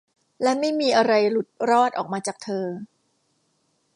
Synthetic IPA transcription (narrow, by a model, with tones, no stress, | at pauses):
lɛ˦˥ma˥˩jmiː˧ʔa˧ɾa˧jɾu˦˥t̪̚ɾɔː˥˩t̪̚ʔɔ̰ː˨˩k̚maː˧t͡ɕaː˨˩k̚t̪ʰɤː˧